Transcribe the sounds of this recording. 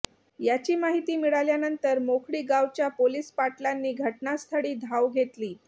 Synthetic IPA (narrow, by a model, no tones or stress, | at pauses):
jat͡ɕiːmaɦit̪iːmiɭaljanənt̪əɾmokʰɽiːɡaʋt͡ɕjapoliːspaʈlanːiːɡʱəʈnast̪ʰəɽiːd̪ʱaʋɡʱet̪liː